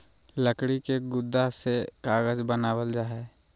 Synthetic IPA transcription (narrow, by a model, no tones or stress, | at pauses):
ləkɽikeɡʊd̪ːasekaːɣəd͡ʒbənaːwəld͡ʒaːɦɛː